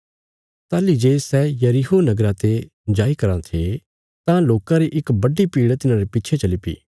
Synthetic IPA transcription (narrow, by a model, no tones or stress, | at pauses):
t̪aːlid͡ʒeːsɛːjɐɾiɦonɐɡɾãt̪e | d͡ʒaːikɐɾãt̪ʰe | t̪ãloːkãɾiʔɪkbɐɖipiːɽt̪ɪnãɾepɪːt͡ʃʰet͡ʃɐlipḭː